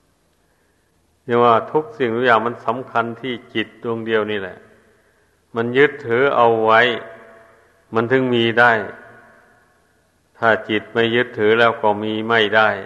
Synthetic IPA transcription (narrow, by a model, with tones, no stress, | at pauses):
nɛ˧˥˩nwaː˧˩t̪ʰu˦˥k̚si˨˩ŋt̪u˧˥jaː˧˩ŋma˧˥˨nsa˨˦mkʰa˧nt̪ʰiː˧˩t͡ɕi˨˩t̪̚du˧əŋdi˧əwniː˧˩lɛ̰˧ʔ | ma˧˥˨njɯ˦˥t̪ʰːɯː˨˦ʔa˧wːa˧˥˩j | ma˧˥nt̪ʰɯ˧˩˨ŋmiː˧da˧˥˩j | t̪ʰaː˧˩t͡ɕi˨˩t̪̚ma˧˥˩jːɯ˦˥t̪ʰːɯː˨˦lɛː˧˥˩wkɔː˧˩miː˧ma˧˥˩jda˧˥˩j